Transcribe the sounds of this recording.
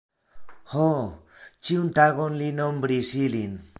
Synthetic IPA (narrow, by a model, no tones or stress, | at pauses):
ho | t͡ʃiunt̪aɣonlinombɾisilin